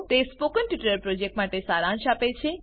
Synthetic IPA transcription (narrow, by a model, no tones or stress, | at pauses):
t̪espokənʈjuʈəɾpɾod͡ʒek̚ʈmaʈesaɾãɳʃapet͡ʃʰe